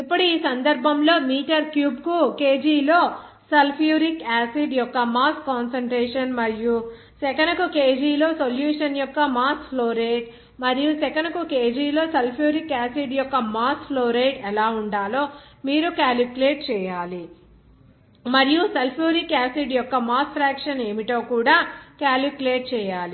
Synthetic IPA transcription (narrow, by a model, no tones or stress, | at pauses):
ipːuɽuiːsɐnd̪ɐɾbʱɐmlo̞ːmiːʈɐɾkjuːbkuke̞ːd͡ʒiːlo̞ː | sɐlpʰjuːɾikaːsiɖjɔkːɐmaːskːaːnsɐɳʈɾeːʂɐnmɐɾiju | sɛkɐnɐkukeːd͡ʒiːlo̞ːsoljuːʂɐnjɔkːɐmaːspʰloːɾeːʈ | mɐɾijusɛkɐnɐkukeːd͡ʒiːlo̞ːsɐlpʰjuːɾikaːsiɖjɔkːɐmaːspʰloːɾeːʈɛlaːuɳɖaːloːmiːɾukaːlipleːʈ̚t͡ʃɛːjaːli | mɐɾijusɐlpʰjuːɾikaːsiɖjɔkːɐmaːspʰɾaːkʂɐne̞ːmiʈo̞ːkuːɽaːkaːlipleːʈ̚t͡ʃɛːjaːli